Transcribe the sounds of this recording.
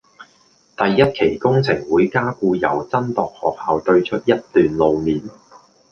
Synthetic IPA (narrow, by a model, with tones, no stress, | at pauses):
t̪ɐ˨jːɐ˥t̚kʰe˨˩jkʊ˥ŋt͡sʰɪ˨˩ŋwuː˨˥jkaː˥kuː˧jɐ˨˩wt͡sɐ˥nt̪ɔː˨k̚hɔ̰ː˨k̚haː˨wt̪ɵ˧ɥt͡ʃʰɵ˥t̚jɐ˥t̚t̪yː˨nlo˨˧wmiː˨˥n